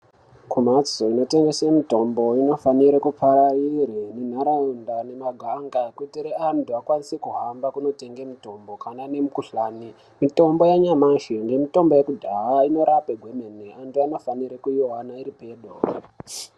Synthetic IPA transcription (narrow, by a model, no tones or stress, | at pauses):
kumat͡soino̞te̞ŋɡe̞semito̞mbo̞ino̞faniɾekupʰaɾaiɾinen̤aɾaundane̞maɡʱaŋɡaekwutiɾeantuakwanisekuɦambakuno̞te̞ŋɡemito̞mbo̞kanane̞mukuɬaːni | mito̞mbo̞jaɲamaʃiŋɡe̞mito̞mbo̞jekudʱaɦaino̞ɾapeɡʱwemeniantuano̞faniɾekuiɦanaiɾipe̞ːɗo